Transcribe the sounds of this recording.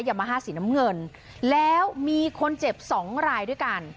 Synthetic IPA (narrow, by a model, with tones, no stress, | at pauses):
jaː˨˩maː˧ɦaː˥˩siː˩˦na˦˥mŋɤ˧n | lɛː˦˥wmiː˧kʰo˧nt͡ɕe˨˩p̚sɔː˩˦ŋɾaː˧jdu˥˩əjka˧n